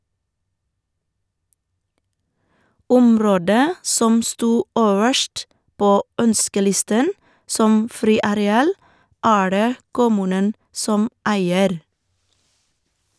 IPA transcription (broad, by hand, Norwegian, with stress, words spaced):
ˈʊmˌɾoːdə ˈsɔm ˈstuː ˈøːʋəʃʈ ˈpoː ˈœnskəˌlɪstən ˈsɔm ˈfɾiːɑɾɛˌɑːl ˈæː ˈɖeː ˈkʊmʉːnən ˈsɔm ˈæɪəɾ